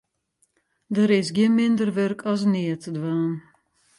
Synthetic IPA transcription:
dəɾɪsɡjiənmɪndərʋørkʰɔs̬nɪətʰədʋaːn

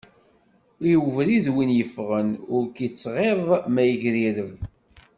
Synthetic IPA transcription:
iwvɾiðwinjəfʁənʊɾkit͡sːʁeɾˤmæjəʝɾiɾəv

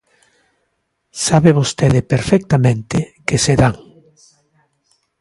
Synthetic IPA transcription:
saβeβost̪eðɪpeɾfɛk̚t̪amẽnt̪ɪkeseðaŋ

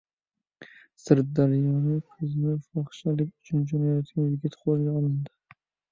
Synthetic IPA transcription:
sɪɾ̚d̪aɾjɒnɪkʰʊznɪfɒχʃalɪkʲʊt͡ʃʰʊnd͡ʒɔnajjɔt̪ɡʲanjɪɡʲɪt̪qʰolˠɡʲaɒlˠɪnd̪ɪ

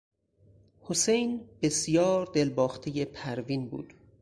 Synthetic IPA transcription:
hosejnbe̞sjɒːɾd̪e̞lbɒːxt̪ʰeje̞pʰæɾviːnbṵːd̪̥

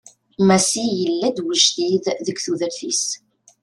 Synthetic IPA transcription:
mæsijəlːæd̪wəʒθiððəɡʷθuðəɾθis

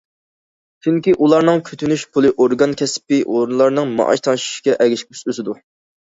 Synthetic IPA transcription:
t͡ʃʰyŋkʲiʔulˠɑɾnɨŋkʲʰyt̪ʰynyʃpʰulˠɨʔoɾɡɑnkʲʰɛspɪʔoɾunlˠɑɾnɨŋmɑ̰ʔɑ̰ʃt̪ʰɑnʃi̥ʃkʲɛʔɛɡʲiʃkʲy̥sysɪd̪u

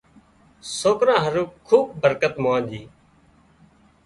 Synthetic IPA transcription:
soːkɾãːɦəɾuːkʰuːb̚ːəɾkət̪mʊãːd͡ʒiː

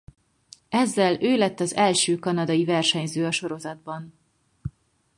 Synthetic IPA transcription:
ɛzːɛløːlɛt̪ːɒzɛlʃøːkɒnɒd̪ɒjivɛrʃɛɲzøːɒʃo̞ɾo̞zɒd̪̚bɒn

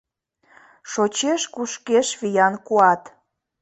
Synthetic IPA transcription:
ʃot͡ɕeʃkuʃkeʃβijɑnkuɑt̪

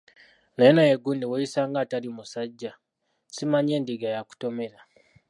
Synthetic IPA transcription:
nejonajeɡuːndiweisaːŋɡaːtalimusaɟːa | simaɲe̞ːndiɡajaku̥to̞me̞ɾa

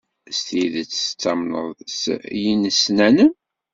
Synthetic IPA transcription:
st̪iðət͡sːə̥t͡sːɑmnə̰ðˤsjinəsnænəm

